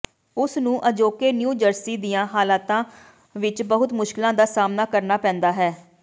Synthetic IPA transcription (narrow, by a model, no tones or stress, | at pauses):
ʊsnũːʔəd͡ʒoːkeːnjuːd͡ʒəɾsiːd̪ijãːɦaːlaːt̪ãː | ʋɪt͡ʃbəɦʊt̪mʊʃkɪlãːd̪aːsaːmnaːkəɾnaːpɛ̃ːnd̪aːɦɛː